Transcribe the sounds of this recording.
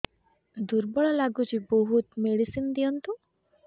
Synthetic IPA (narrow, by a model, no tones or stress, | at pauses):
d̪uɾbɔɭɔlaɡut͡ʃiboɦut̪meɽisind̪ijɔnt̪u